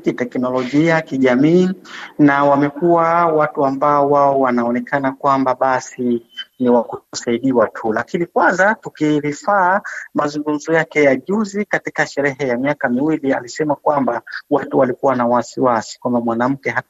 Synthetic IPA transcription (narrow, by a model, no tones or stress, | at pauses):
kitɛknɔlɔʄiakiʄamiːnawamɛkuwawatuambaɔwaɔwanaɔnɛkʰanakwambaɓasiniwakutɔsaiɗiwatʰulakinikwanzatukiɾifaːmazuŋɡum̩zɔjakɛjaʄuzikatikaʃɛɾɛɦɛjamiakamiwilialisɛmakwambawatuwalikuwanawasiwasi̥kwambamwanam̩kɛɦa